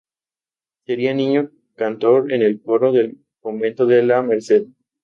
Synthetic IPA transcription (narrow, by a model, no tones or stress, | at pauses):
se̞ɾianĩɲo | kant̪o̞ɾenelfoɾoðe̞l | komẽ̞nt̪oðelame̞ɾse̞ð